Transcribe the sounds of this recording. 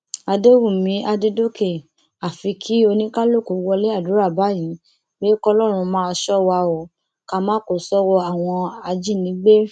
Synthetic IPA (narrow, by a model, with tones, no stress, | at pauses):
a˧de˦wũ˦˨mĩ˨˦a˧de˦do˦ke˦˨ | a˨fi˧kʰi˦o˧nĩ˦ka˦lo˦˨ko˨˦wɔ˧le˦a˦˨du˨˦ɾa˦˨ba˨˦jĩ˨˦ | be˦kɔ˧lɔ˦˨ɾ̃ũ˧mãː˦ɔ˧ʃɔ˦wa˧ɔ˨ | ka˧mãː˦ko˦˨sɔ˦wɔ˧a˨w̃ɔ̃˧a˧d͡ʒi˦˨nĩ˨˦ɡ͡be˦